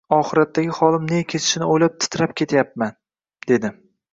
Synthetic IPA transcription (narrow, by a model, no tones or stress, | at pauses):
ɒχɨɾat̪ʰːaɡʲɪχɒlˠɪmnekʲʰe̞t̪ʰɪ̥ʃɪnɪojlap̚t̪ʰɪ̥t̪ʰɾapkʲʰe̞t̪ʰjapman | d̪̥e̞d̪ɪ